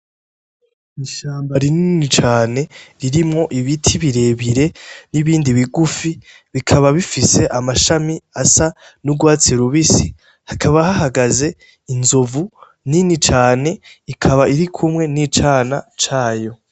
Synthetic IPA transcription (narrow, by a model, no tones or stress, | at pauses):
iʃaːmbaɾininit͡ʃaːne̞ɾiɾimŋo̞ʔiβitʰiβiɾe̞βiɾe̞niβiːndiβiɡufi | βikʰaβaβifise̞ʔamaʃamiasa | nuɡwaːt͡seɾuβisi | hakʰaβahaɦaɡaze̞ | inzovu | ninit͡ʃaːne̞ikʰaβaiɾikʰumŋe̞nit͡ʃanat͡ʃaːjo̞